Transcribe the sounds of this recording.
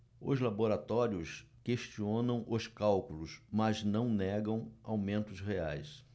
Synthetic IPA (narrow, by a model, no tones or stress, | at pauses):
ʊ̰zlaboɾat̪ɔɾiʊs | keʃt͡ʃiõnɐ̃w̃ʔʊskawkulʊsmɐznɐ̃w̃nɛɡɐ̃w̃awmẽnt̪ʊsɦea̰js